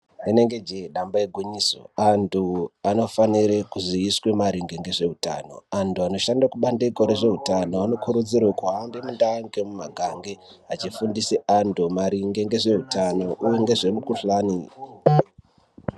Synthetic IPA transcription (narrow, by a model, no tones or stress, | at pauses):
neneŋɡe̞d͡ʒeɗambajeɡʱuɲiso̰antuano̞faniɾekuziːswe̞maɾiŋɡeŋɡe̞ʐe̞ɦuta̰no̞̰antuano̞ʃandakuɓandekoɾeʐe̞utanoano̞kʰuɾud͡zirwakuandemundaŋɡe̞mumaɡʱaŋɡe̞at͡ʃifundiseantumaɾiŋɡeŋɡe̞ʐe̞ɦutano̞ʔujeŋɡe̞ʐe̞mukuɬaːni